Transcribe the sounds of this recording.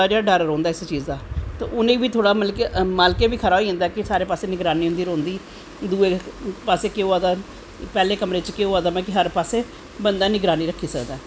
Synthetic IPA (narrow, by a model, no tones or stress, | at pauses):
ad͡ʒaːɖəɾɾõːnd̪aːɪst͡ʃiːzd̪aːt̪ḛʊnẽːbiːt̪ʰoːɽaːməlkmaːlkeːbiːkʰəɾaːɦoiːɦə̃ːnd̪aːkɪsaːɾeːpaːseːnɪɡɾaːniːɦʊ̃nd̪iːɾõːnd̪iː | d̪uːeːpaːseːkeːoaːd̪aː | pɛːleːkəmɾeːt͡ʃkeoːaːd̪aːmɛːkɪɦəɾpaːseː | bənd̪aːnɪɡɾaːniːɾəkʰːiːsəkd̪aː